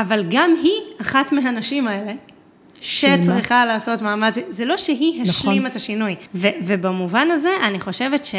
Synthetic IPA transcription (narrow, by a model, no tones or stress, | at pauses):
avalɡamɦiaχatmeɦanaʃimaele̞ | ʃet͡sʁiχalaːso̞tmaːmat͡sizelo̞ʃeɦiɦanʃlimetaʃinujvevebamuvanaze̞ʔaniχo̞ʃevetʃe